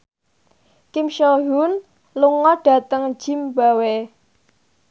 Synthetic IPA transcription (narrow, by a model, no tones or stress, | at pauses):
kimʃoɦun | luŋɔɖ̥ä̤t̪əŋd̥ʒ̥i̤mbawe